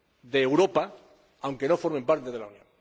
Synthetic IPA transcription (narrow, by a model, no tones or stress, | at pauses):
ðeːwɾo̞pa | awŋke̞no̞fo̞ɾmẽ̞mpaɾt̪eð̞e̞launjõ̞̰ŋ